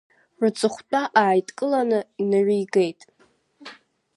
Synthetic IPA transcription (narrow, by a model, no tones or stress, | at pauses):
rɨt͡sʼɨχʷtʼaʔaːjtʼkʼɨlanɨnɨʕʷijɡejtʼ